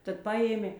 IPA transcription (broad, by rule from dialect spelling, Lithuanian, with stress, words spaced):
ˈtɐt ˈpɑːjeːmʲeː